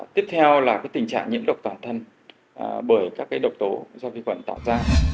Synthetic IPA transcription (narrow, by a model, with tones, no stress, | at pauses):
t̪i˦˥əp̚t̪ʰɛ˧wlaː˨˩kaː˨˦jt̪ï˨˩ŋ̟t͡ɕa̰ː˧˨ŋɲḭ˧˥əmɗə˨˩wk͡p̚t̪waː˨˩nt̪ʰə˧n | ɓəː˧˩jkaː˦˥kːaː˨˦jɗə˨˩wk͡p̚t̪o˨˦zɔ˧vi˧xwə̰˧˩nt̪a̰ː˧˨wzaː˧